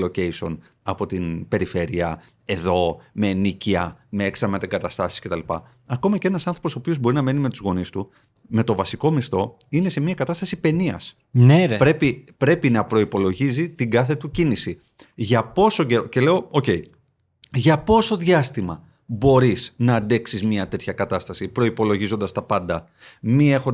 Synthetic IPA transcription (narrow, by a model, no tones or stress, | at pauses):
loce̞iso̞n | ɐpo̞t̪inpe̞ɾife̞ɾiɐ̰ | e̞ðo̞me̞niciɐ̰me̞eksɐɾmet̪eɡɐt̪ɐst̪ɐsi̥sce̞t̪ɐlipɐ̰ | ɐko̞mɐce̞nɐsɐnθɾo̞posopio̞zbo̞ɾinɐme̞nime̞t̪uzɣo̞nist̪u | me̞t̪o̞vɐsiko̞mist̪o̞ | ine̞se̞miɐkɐt̪ɐst̪ɐsipe̞niɐ̰s | nepɾe̞pipɾe̞pinɐpɾo̞ipo̞lo̞ʝizit̪iŋɡɐθe̞t̪ucinisi | ʝɐpo̞so̞ɟeoce̞le̞ooce̞i | ʝɐpo̞so̞ðʝɐst̪imɐ | bo̞ɾisnɐːnd̪e̞ksizmɲɐt̪e̞t̪çɐkɐt̪ɐst̪ɐsipɾo̞ipo̞lo̞ʝizond̪ɐst̪ɐpɐnd̪ɐ | miexo